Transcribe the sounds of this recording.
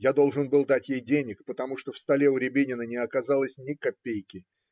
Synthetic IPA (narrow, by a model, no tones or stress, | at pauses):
jad̪o̞lˠʐɨnbɨlˠd̪atʲjejdʲenʲɪkpət̪ɐmuʂt̪ofst̪ɐlʲe̞ʊɾʲɪbʲinʲɪnənʲɪɐkɐzalˠəsʲnʲɪkɐpʲːejkʲɪ